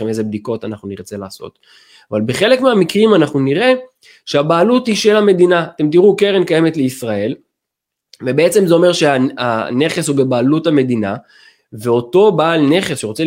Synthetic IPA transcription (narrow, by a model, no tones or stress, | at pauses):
emezebd̪iko̞tanaχnuniʁt͡se̞laːso̞̰t̪ | avalbeχe̞le̞kmeamikʁimanaχnuniʁe̞ | ʃeabaːluthiʃelame̞d̪inat̪e̞mt̪̬iʁukeʁenkaje̞metleisʁae̞l | vebeet͡se̞mzeo̞me̞ʁʃeaa̰ne̞χeshubebaːluthame̞d̪ina | veo̞to̞baːlne̞χesʃeʁo̞t͡se